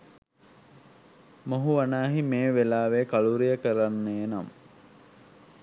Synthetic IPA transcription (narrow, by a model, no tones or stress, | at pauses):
moɦuʋanaːɦimeːʋelaːʋeːkaluɾijəkəɾanːeːnam